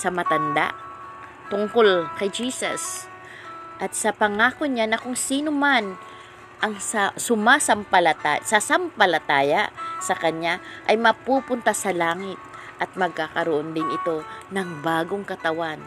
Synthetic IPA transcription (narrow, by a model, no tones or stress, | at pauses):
sɐmɐt̪ɐnd̪a̰ʔ | t̪ʊŋko̞lkɐjd͡ʒiːsɐ̰s | ʔɐt̪̚sɐpɐŋaːkoɲanɐkʊŋsiːnoman | ʔɐŋsasʊmaːsɐmpɐlɐt̪asasampɐlɐt̪aːjaʔsɐkɐɲaʔɐjmɐpuːpʊnt̪asɐlaːŋɪt̪̚ | ʔɐt̪̚mɐɡ̚kakɐɾoʔond̪ɪnɪt̪o̞nɐŋbaːɡo̞ŋkɐt̪ɐwan